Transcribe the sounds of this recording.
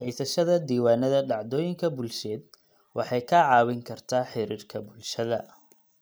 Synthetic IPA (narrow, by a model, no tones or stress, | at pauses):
ʕisɐʃɐðɐd̪iːwaːnɐðɐɖɑʕd̪ɔːjɪŋkʰɐbʊlʃɛːd̪̚ | wʔɑħɑjkʰɐʕɑːwɪŋkʰɐrt̪ʰaːħɪɾiːrkʰɐbʊlʃɐðɐ̰